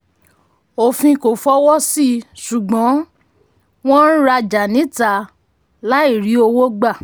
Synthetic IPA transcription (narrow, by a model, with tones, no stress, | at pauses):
o˨fĩ˧ko˨fɔ˦wɔ˦si˦˨su˨ɡ͡bɔ̃˨˦ | w̃ɔ̃˦ɾa˧d͡ʒa˨nĩ˨˦ta˧ | la˦i˦˨ɾi˨˦o˧wo˦ɡ͡ba˦˨